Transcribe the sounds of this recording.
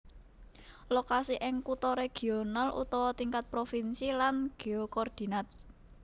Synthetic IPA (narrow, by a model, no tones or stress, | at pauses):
lokasiʔɪŋkut̪ɔɾeɡ̥i̤onalʔṵt̪ɔwɔt̪iŋkat̪̚pɾofinsilanɡ̥eokɔrd̪̥i̤nat̪̚